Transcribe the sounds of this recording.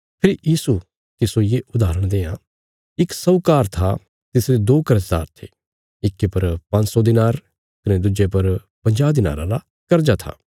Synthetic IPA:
pʰɪɾijiːsu | k̪ɪsojeʔʊd̪aːɾəɽ̃d̪eːã | ɪksɐʊkaːɾt̪ʰa | t̪ɪsɾed̪oːkɐɾəsd̪a̰ːɾt̪ʰe | ɪkːepɐɾpɐ̃nsɔd̪ɪnaːɾ | kɐned̪ʊd͡ʒep̬ɐɾ | pɐ̃ɲd͡ʒaːbd̪ɪna̰ːɾã̰la | kɐɾd͡ʒat̪ʰa̰ː

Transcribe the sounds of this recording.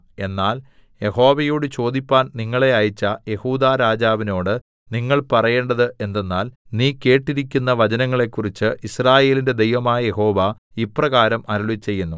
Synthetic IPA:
e̞nːaːl | je̞ho̞ːʋɐjoːɽɨt͡ɕo̞ːd̪ipʲːaːnniŋːɐɭe̞ajit͡ɕːɐje̞huːd̪aːɾaːd͡ʑaːʋino̞ːɽɨ | niŋːɐɭpɐrɐje̞ːɳɖɐðɨʔe̞nd̪e̞nːaːlniːke̞ːʈːiɾikʲːunːɐʋɐd͡ʑɐnɐŋːɐɭe̞kːurit͡ɕːɨʔisraːje̞ːlinde̞d̪e̞jʋɐmaːjɐje̞ho̞ːʋɐ | iprɐɣaːɾɐmɐɾuɭit͡ɕːe̞jːunːu

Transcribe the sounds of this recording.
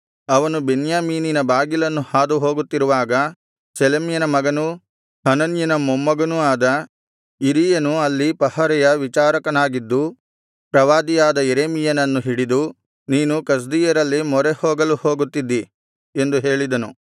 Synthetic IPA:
ɐʋɐnubenjaːmiːninɐbaːɡilɐnːuhaːd̪uɦo̞ːɡut̪ːiɾuʋaːɡɐ | selɐmjɐnɐmɐɡɐnu | hɐnɐnjɐnɐmomːɐɡɐnuaːd̪ɐ | iɾijɐnuɐlːipɐhɐɾɛjɐʋit͡ʃaːɾɐkɐnaːɡid̪ːu | pɾɐʋaːd̪ijaːd̪ɐeɾeːmijɐnɐnːuɦiɽid̪u | niːnukɐs̬d̪iːjɐɾɐlːimɔɾehoːɡɐluhoːɡut̪ːid̪ːi | e̞nd̪uɦe̞ːɭid̪ɐnu

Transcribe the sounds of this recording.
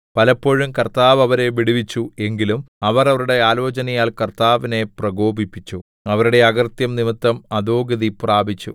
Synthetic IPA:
pɐlɐpːo̞ɻumkɐrt̪aːʋɐʋɐɾe̞ʋiɽiʋit͡ɕːue̞ŋɡilumɐʋɐrɐʋɐɾuɽe̞aːlo̞ːt͡ɕɐnɐjaːlkɐrt̪aːʋine̞prɐɡo̞ːbʱipːit͡ɕːu | ɐʋɐɾuɽe̞ɐɡɐrt̪jɐmnimit̪ːɐmɐd̪oːɡɐðipraːbʱit͡ɕːṵ

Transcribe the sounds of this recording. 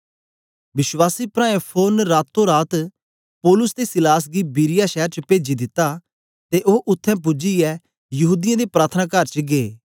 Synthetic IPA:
ʋɪswaːsipɾãːẽpʰoːnɾaːt̪ʰːõɾaːt̪ | poːlʊsd̪esɪlaːs̬ɡibiːɾɪjaʃɛːɾt͡ʃəpeːd͡ʒid̪ɪt̪ːa | t̪eʔoːʔʊt̪ʰːɛ̃p̬ʊd͡ʒiɛ | jɐɦuːd̪ɪjãd̪epɾaːt̪ʰənaːkəɾt͡ʃɡeː

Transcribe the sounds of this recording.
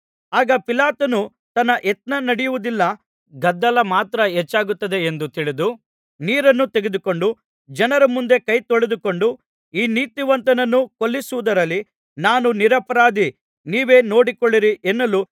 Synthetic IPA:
aːɡɐpilaːt̪ɐnu | t̪ɐnːɐʔet̪nɐnɐɽijuʋud̪ilːɐ | ɡɐd̪ːɐlɐmaːt̪ɾɐɦɛt͡ʃːaːɡut̪ːɐd̪e̞end̪ut̪iɭid̪u | niːɾɐnːut̪eɡed̪uko̞ɳɖu | d͡ʒɐnɐɾɐmund̪e̞kɐjt̪ɔɭed̪uko̞ɳɖu | iːniːt̪iʋɐnt̪ɐnɐnːukolːisuʋud̪ɐɾɐlːi | naːnuniɾɐpɐɾaːd̪i | niːʋe̞ːno̞ːɽikoɭːiɾiʔɛnːɐlu

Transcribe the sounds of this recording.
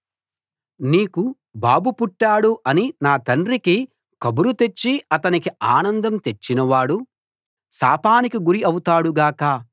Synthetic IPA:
niːku | baːbupuʈːaːɽuʔɐninaːt̪ɐɳɾiki | kɐbuɾut̪e̞t͡ʃːiɐt̪ɐnikiaːnɐnd̪ɐmt̪e̞t͡ʃːinɐʋaːɽu | saːpaːnikiɡuɾiɐwut̪aːɽuɡaːkɐ

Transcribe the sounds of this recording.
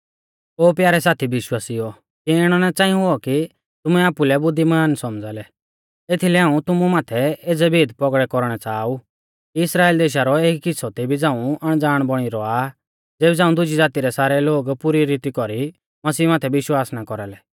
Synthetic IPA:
oːpjaːɾɛsaːt̪ʰibɪʃwaːsiɔ | kiɪɽ̃ɔnɛt͡sãːĩɦʊɔki | t̪ʊmɛaːpulɛbʊd̪ʱːimaːnsɔmd͡zalɛ | et̪ʰilɛɦãːũt̪ʊmumaːt̪ʰɛeːd͡zɛbeːd̪pɔɡɽɛkɔɾɽ̃ɛt͡saːu | kiɪsɾaːeːld̪eːʃ̬aɾɔeːkkɪsʰɔt̪ɛbʱid͡zãːũɐɽ̃d͡zaːɽ̃bɔɽ̃iɾɔa | d͡zeːbɛd͡zãːũd̪ʊd͡ʒid͡zaːt̪iɾɛsaːɾɛloːɡpuɾiɾit̪ikɔɾi | mɐsiːmaːt̪ʰɛʋɪʃwaːsnakɔɾalɛ

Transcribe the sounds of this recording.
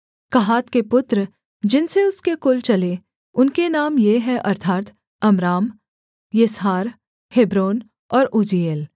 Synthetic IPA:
kɐɦaːt̪kepʊt̪ɾ | d͡ʒɪnseʊskekʊlt͡ʃɐle | ʊnkenaːmjeɦɛ̃ʔɐɾt̪ʰaːt̪ | ɐmɾaːm | jesɦaːɾ | hɪbɾoːn | ɔːɾud͡ʒieːl

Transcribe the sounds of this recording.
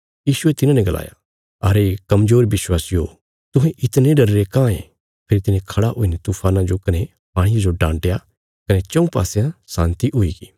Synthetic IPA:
jiːʃʊet̪ɪnãːnɛ̃ɡɐla̰ːja̰ | ɐɾekɐmzoːɾbɪswaːsijo | t̪ʊɦẽʔɪt̪nẽɖɐɾːekãːḛ̃ | pʰɪɾt̪ɪnẽkʰɐɽaɦʊinet̪uːpʰaːnãd͡ʒokɐne | maːɽ̃ɪjãd͡ʒoɖãːɳʈja | kɐnet͡ʃɐ̃ũpa̰ːsejãsãːnt̪iʔɦʊiːɡiː

